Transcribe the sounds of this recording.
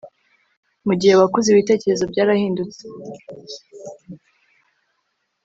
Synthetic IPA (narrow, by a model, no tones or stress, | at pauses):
muɟihe̞βakuziβite̞ːce̞ɾe̞zo̞bɟaːɾahiːndut͡se